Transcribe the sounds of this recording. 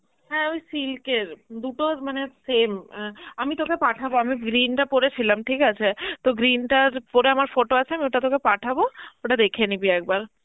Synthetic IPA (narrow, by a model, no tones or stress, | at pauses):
ɦɛojsilkeɾd̪uʈomanesemamit̪okepaʈʰaboamiɡɾinʈapoɾet͡ɕʰilamʈʰikat͡ɕʰet̪oɡɾinʈaɾpoɾeamaɾfoʈoat͡ɕʰeamioʈat̪okepaʈʰabooʈad̪ekʰenibiɛk̚baɾ